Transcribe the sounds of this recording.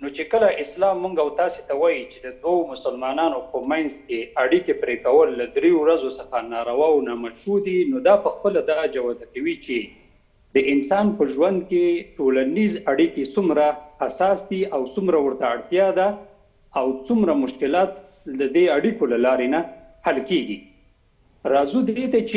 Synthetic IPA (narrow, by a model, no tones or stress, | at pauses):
not͡ʃekəlaʔɪslɑmːuŋɡawt̪ɑset̪awɑjit͡ʃed̪əd̪wawomʊsəlmɑnɑnopəmanzkeaɽikepɾekawəlːad̪ɾeowɾazosəxanɑɾawɑwnɑmaʃud̪inod̪ɑpəxpəlad̪ɑd͡ʒawad̪akawit͡ʃe | d̪əʔɪnsɑnpəʒwand̪̚keʈolanizaɽiket͡sumɾaasɑsd̪iʔawt͡sumɾawəɾt̪aːɽt̪jɑd̪aː | wt͡sumɾamʊʃkɪlɑt̪ | ləd̪eaɽikolalɑɾena | halkeɡi | ɾɑzud̪et̪at͡ʃe